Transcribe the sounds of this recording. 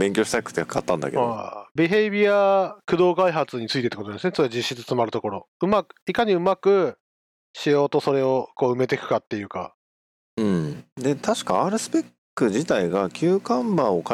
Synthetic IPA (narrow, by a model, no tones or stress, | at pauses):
bẽ̞ŋkʲoɕi̥t̪akɯ̟̥t̪ːeakat̪ːãnd̪a̰ke̞dao̰bʲiɦe̞bʲiakɯ̟d̪o̞ːkaiɦat͡sɨɲ̟it͡sɨit̪et̪ːkot̪d̪esɨnesod͡ʑiɕːit͡sɨ̥t͡sɨmaɾɯ̟t̪o̞ko̞ɾo̞ɯ̟makɯ̥ikaɲ̟iɯ̟makɯ̟ | ɕijo̞ːt̪o̞so̞ɾe̞o̞ko̞ːɯ̟me̞t̪e̞kɯ̟̥kat̪ːe̞jɯ̟ːka̰ | ɯ̟̃d̪e̞t̪ʰaɕi̥kaaːɾɯ̟sɨ̥pekːɯ̟ʑit̪aiɡakʲʰɨːkãmbão̞ka